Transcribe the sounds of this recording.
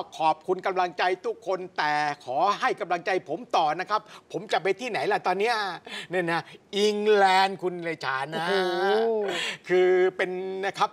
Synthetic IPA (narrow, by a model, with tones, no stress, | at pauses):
kʰɔː˨˩p̚kʰu˧nka˧mla˧ŋt͡ɕa˧jt̪ʰu˦˥kʰːo˧nt̪ɛː˨˩kʰɔː˩˦ɦa˥˩jka˧mla˧ŋt͡ɕa˧jpʰo˩˦mt̪ɔː˨˩na˦˥kʰa˦˥pʰːo˩˦mt͡ɕa˨˩pa˧t̪ʰiː˥˩na˨˩˦jla˦˧˩t̪ɔː˧nːi˦˥ɐni˥˩na˦˥ʔi˧ŋlɛː˧nkʰu˧nleː˧t͡ɕʰaː˨˦nːa˦ | kʰɯː˧pe˧nna˦˥kʰa˦˥p̚